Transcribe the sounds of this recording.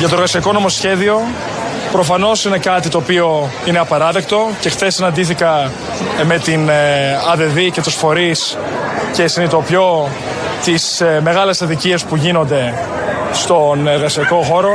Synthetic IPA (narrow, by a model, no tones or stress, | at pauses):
ʝɐt̪oɾɣɐsiɐko̞no̞mo̞sçe̞ðio̞ | pɾo̞fɐno̞sine̞kɐt̪it̪o̞ːpio̞ | ine̞ɐpɐɾɐðe̞kt̪o̞ce̞xθe̞sːinɐnd̪iθikɐ | me̞t̪inɐðe̞ðice̞t̪usfo̞ɾis | ce̞sinit̪opço̞ | t̪isme̞ɣɐle̞sɐðiciespuʝino̞nd̪e̞ | st̪o̞neɾɣɐsiɐko̞xo̞ɾo